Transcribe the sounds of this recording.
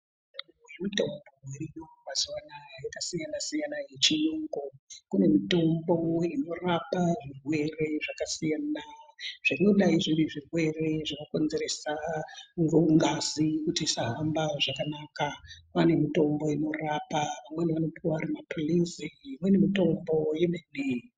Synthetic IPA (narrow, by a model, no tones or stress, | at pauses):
emito̞mbo̞werino̞ʋazwanajakasijanasijanaje̞t͡ʃinoŋɡokune̞mito̞mbo̞ino̞rapaʐirwe̞re̞ʐakasijanaʐ̥anoɗaiʐiɾiʐirwe̞re̞ʐakoko̞nze̞ɾe̞saŋɡouŋɡazikutisaɦambaʐakanakapane̞mito̞mbo̞ino̞rapaʋamweniʋano̞pʰuaaɾimapulisiimwenemito̞mbo̞jemenei